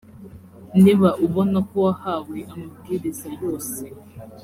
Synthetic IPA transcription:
niβaʔuβonakoahaːweʔamubɡiɾezajo̞ːse

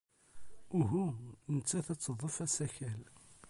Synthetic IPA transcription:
ʊɦunət͡sːæθæt͡sːəðˤəfæsæçæl

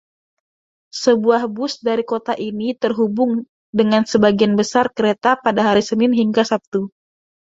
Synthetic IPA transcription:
səbuahbʊsdaɾikot̪aʔinit̪ərɦubʊŋ | dəŋansəbaɡianbəsarkəɾet̪apadaɦaɾisənɪnɦiŋɡasap̚t̪u

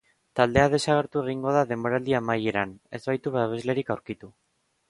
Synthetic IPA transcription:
t̪ald̪e̞aðe̞saɣ̞e̞ɾt̪ue̞ɣ̞iŋɡo̞ð̞aðe̞mbo̞ɾald̪iamajeɾane̞zβajt̪uβaβezle̞ɾikawɾkit̪u

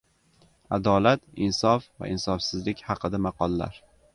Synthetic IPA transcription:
ad̪ɒlat̪ɪnsɒfva̰ʔɪnsɒfsɪzlɪkʲhɑqʰɨd̪amɑqɒlˠːa̰ɾ

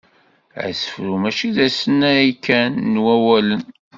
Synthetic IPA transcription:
æ̰sə̥fɾumæʃiðæsənːæikːænːwæwælən

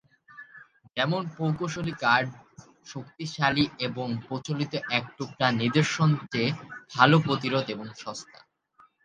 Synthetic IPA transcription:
d͡ʑɛmonpowkoʃolikaɾɖ | ʃokt̪iʃalieboŋpɾot͡ɕolit̪oʔɛk̚ʈuk̚ʈaniɾd̪oɾʃont͡ɕebʱalopɾot̪iɾod̪eboŋʃɔst̪ʰa

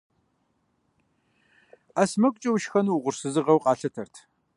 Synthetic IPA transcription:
asmɐkʷʼt͡ʃʼɐwʃxɐnuwʁʷʊrsɨzɨʁɐwqʼɑːɬɐtʰɐrtʰ

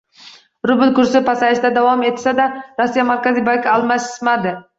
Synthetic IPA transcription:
ɾʊbɪlkʊɾsɪpʰasaɪʃt̪ad̪avɒme̞t̪sad̪aɾosːijamaɾkʲazɪbakʰʲalˠmasɪ̥smad̪ɪ

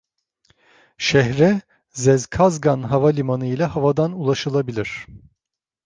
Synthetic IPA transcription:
ʃɛhɾɛ | zɛzkʰazɡanɦavalʲimanɯilʲahavad̪anulˠaʃɯlˠabilʲiɾ̝̥

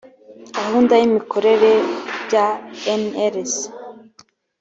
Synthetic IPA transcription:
ɡahuːndajimikʰo̞ɾe̞ɾe̞bjaeneɾes

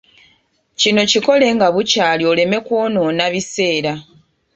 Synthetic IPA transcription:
cino̞ciko̞le̞ŋɡaβucaːlio̞le̞me̞kwo̞ːno̞ːnaβise̞ːɾa

